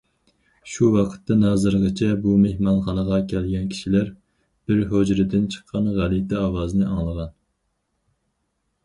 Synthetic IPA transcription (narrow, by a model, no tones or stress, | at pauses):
ʃuwɑqʰə̥t̪ːɑnɑːzɨɾʁət͡ʃʰɛbumehmɑnχɑnəʁɑkʲʰɛlɡʲɛnkʲʰi̥ʃilæɾ | b̥ɪɾɦod͡ʒɾɪd̪ɪnt͡ʃʰə̥qʰːɑnʁælit̪ɛɑwɑːzɨnɨʔɑŋlˠəʁɑn